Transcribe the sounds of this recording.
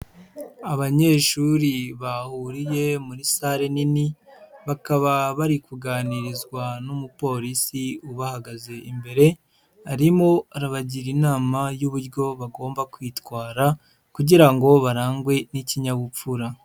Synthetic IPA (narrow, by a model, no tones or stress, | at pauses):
aβaɲe̞ːʃuɾiβahuɾije̞muɾisaɾeniniβakaβaβaɾikuɡaːniɾizɡwanumupo̞ɾisiuβahaɡaze̞ʔimbe̞ɾe̞ | aɾimo̞aɾaβaɟiɾinaːmajuβuɾɟo̞βaɡo̞ːmbakwitwaːɾa | kuɟiɾaŋɡo̞βaɾaːŋɡwe̞niciɲaɡup͡fuɾa